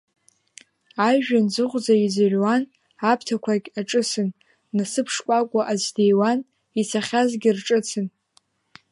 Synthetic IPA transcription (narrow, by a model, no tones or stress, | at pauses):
ajʒᶣanzɨχʷʼd͡zaizarʲwan | apʰtʰakʷʰakʲaʈ͡ʂʼɨsɨnː | asɨpʰʂkʷʼakʷʼʊʔazdejwan | it͡sʰaχʲazɡʲɪrʈ͡ʂʼɨt͡sʰɨn